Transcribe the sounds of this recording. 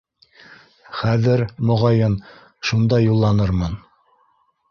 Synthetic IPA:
χæðɘɾmŏʁɑjɤn | ʃund̪ɑjulˠːɑnɤɾmɤn

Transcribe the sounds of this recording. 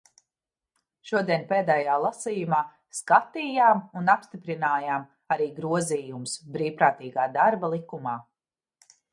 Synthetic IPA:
ʃuɔd̪iɛnʲpeːd̪ɛːjaːlˠasiːjumaː | skat̪iːjaːmunapst̪ipɾinaːjaːm | aɾiːɡɾuɔziːjumsbɾiːwpɾaːt̪iːɡaːd̪aɾbalˠikumaː

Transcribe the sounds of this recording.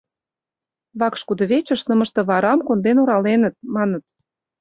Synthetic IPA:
βɑkʃkud̪ŏβet͡ɕə̆ʃnə̆mə̆ʃt̪ɤ̆βɑɾɑmkond̪enoɾɑlenə̆t̪̚mɑnə̆t̪̚

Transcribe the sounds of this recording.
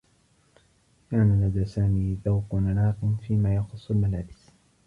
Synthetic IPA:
kaːnalad̪aːsaːmiːθawqʊnanaːqnfiːmaːjɑxʊsˤːʊlmalaːbɪs

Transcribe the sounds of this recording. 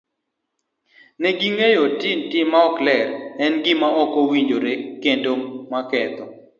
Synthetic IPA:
nɛɡiŋejotintimaɔklɛrɛnɡɪmaɔkowiɲd͡ʒoɾekendomakɛt̪ɔ

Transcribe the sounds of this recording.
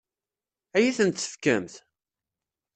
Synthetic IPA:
æjiθənt̪ːə̥fkæmθ

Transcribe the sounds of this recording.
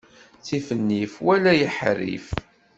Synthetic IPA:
t͡sifənːifwælæjəħɾḭf

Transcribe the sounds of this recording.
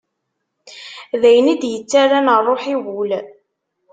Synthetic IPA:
ðæjənid̪jət͡sːaɾanərˤːoħiwʊl

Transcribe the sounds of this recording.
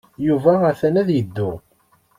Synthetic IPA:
juvææθænæðjəd̪ːʊ

